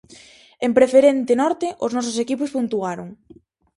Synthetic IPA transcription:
empɾefeɾent̪ɪnɔɾt̪ɪʔʊznɔsʊsekipʊspunt̪uaɾoŋ

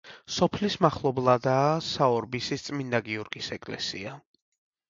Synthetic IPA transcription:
sɔpʰlismaχlˠɔblˠad̪aːsaɔɾbisist̪sʼmind̪aɡiɔɾɡisɛkʼlɛ̰sḭa

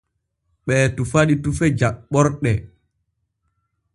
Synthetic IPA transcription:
ɓɛːtufaɗitufɛd͡ʒaɓɔɾɗɛ

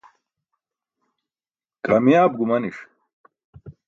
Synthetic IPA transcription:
kɐmijaːb̚ɡumɐniʂ

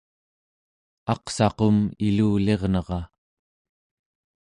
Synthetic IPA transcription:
ɑqsɑqo̞miluːle̞ʁnʌʁɑ

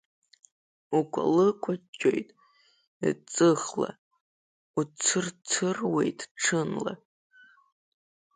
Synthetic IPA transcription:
ukʷʰʼa̰lɨkʷʰʼat͡ʃʲʰʼojtʼ | it͡sʼɨχla̰ | ut͡sʰɨrt͡sʰɨrwejtʼʈ͡ʂʰɨnla̰

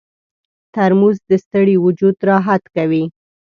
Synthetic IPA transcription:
t̪aɾmuzd̪əst̪əɽiwʊd͡ʒud̪ɾɑɦat̪kawi

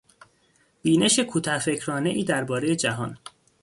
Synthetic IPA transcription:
b̥iːne̞ʃe̞kʰuːt̪ʰɒfe̞cʰɾɒːne̞ʔiːd̪æɾbɒːɾe̞je̞d͡ʒæɦɒ̰n

